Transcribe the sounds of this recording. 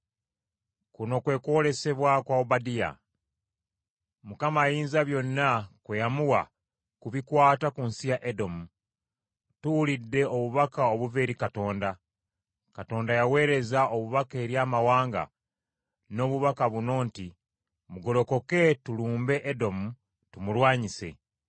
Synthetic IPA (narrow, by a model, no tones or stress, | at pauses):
kuno̞kwe̞ːkuole̞se̞βwakwaoβadija̰ | mukamajiːnzaβjo̞nːakwejamuwa | kuβikwaːtakunsijaʔedo̞mu | tuulidːe̞oβuβakaoβuve̞ːɾikato̞ːnda | kato̞ːndajawe̞ːɾe̞zaoβuβake̞ːɾjaːmawaːŋɡa̰ | no̞ːβuβakaβuno̞ːnti | muɡo̞lo̞ko̞ke̞tuluːmbe̞ʔːdo̞mu | tumulwaːɲise̞̰